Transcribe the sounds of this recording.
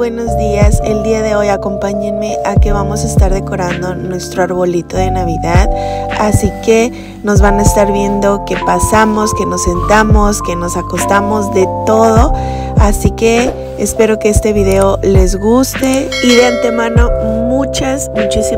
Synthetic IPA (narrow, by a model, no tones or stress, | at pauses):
weno̞zðiase̞ld̪iaðe̞o̞jako̞mpaɲenme̞ʔake̞βamo̞saest̪aɾðe̞ko̞ɾand̪o̞nwe̞st̪ɾo̞aɾβo̞lit̪o̞ðe̞naβ̞iðaðasike̞ | no̞zβanaest̪aɾβje̞nd̪o̞ke̞pasamo̞ske̞no̞sːe̞nt̪amo̞ske̞no̞sako̞st̪amo̞zðe̞t̪o̞ðo̞ | asike̞ː | spe̞ɾo̞keest̪e̞βiðe̞o̞le̞zɣust̪e̞ | iðeant̪e̞mãno̞mut͡ʃasmut͡ʃisi